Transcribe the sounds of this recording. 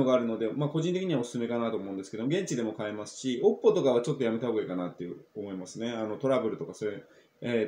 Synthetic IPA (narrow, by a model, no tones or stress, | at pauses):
oɡaːɾɯ̟no̞d̪e̞mako̞ʑĩnt̪eiɲ̟iβaosɨ̥sɨme̞kanat̪o̞ːmo̞ɯ̃nd̪esɨ̥ked̪omo̞ɡẽɲ̟t͡ɕid̪e̞mo̞kaemasɨ̥ɕio̞pːo̞t̪o̞kaβ̞at͡ɕo̞t̪ːo̞jame̞t̪aoɡikanat̪ːe̞jɯ̟omo̞imasɨne̞ano̞t̪o̞ɾabɯ̟ɾɯ̟t̪o̞kaso̞ɾe | e